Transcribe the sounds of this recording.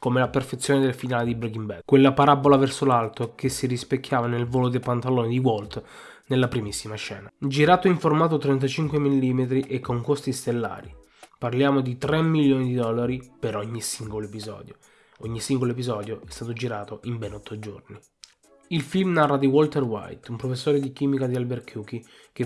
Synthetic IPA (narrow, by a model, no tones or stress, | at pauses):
komelaperfet̪sːjoːned̪elfinaːled̪ibɾekimbɛkwelːapaɾabːolavɛrsolalt̪okesːirispekːjaːvanelvoːlod̪epant̪aloːnid̪iwɔlt̪ | nelːapɾimisːimaʃɛ̰ːnad͡ʒiɾaːt̪oiɱformaːt̪̬ot̪ɾɛnt̪̬at͡ʃiŋkwemilːimet̪̬ɾiʔekːoŋkost̪ist̪elːa̰ːɾi | parljaːmod̪it̪ɾɛmːiljoːnid̪id̪ɔlːaɾipeɾɔɲːisiŋɡoloepizɔ̰ːd̪jo | ɔɲːisiŋɡoloep̬izɔːd̪joʔɛst̪aːt̪od͡ʒiɾaːt̪oʔimbɛnɔt̪ʰːod͡ʒo̰rni | ilfilmnarːad̪iwɔlt̪ɛrwa̰jt̪umpɾofesːoːɾed̪ik̟iːmikad̪ialberkjuk̟i | k̟e